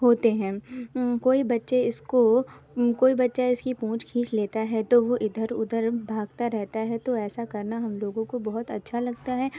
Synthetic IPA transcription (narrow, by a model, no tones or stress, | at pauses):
ɦoːt̪eɦɛ̃ːkoːibɐtːʃeɪsko | koːibɐtːʃaɪskipũːt͡ʃkʰĩːt͡ʃleːt̪aɦɛt̪oʋoʔɪd̪ʱəɾʊd̪ʱəɾbʱaːɡ̚t̪aɾɛɦt̪aɦɛt̪oɛːsakɐɾnaɦɐmloːɡõkobɔɦʊt̪ɐtːʃʰalɐɡ̚t̪aɦɛː